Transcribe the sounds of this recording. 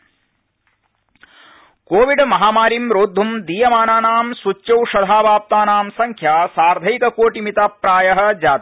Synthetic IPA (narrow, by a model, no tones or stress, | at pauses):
koːʋiɖmɐɦaːmaːɾimɾoːd̪ʱumd̪iːjɐmaːnaːnaːmsut͡ʃːjɐwʃɐd̪ʱaːbaːp̚t̪aːnaːmsɐŋkʰjaːsaːɾd̪ʱɐjkɐkoːʈimit̪apɾaːjɐɦɐ̆d͡ʒaːt̪